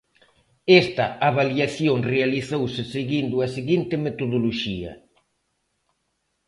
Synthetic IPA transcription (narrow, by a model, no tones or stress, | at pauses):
ɛst̪ɐaβaljaθjoŋrealiθowsɪseɣind̪ʊɐseɣint̪ɪmet̪oðoloʃiɐ̰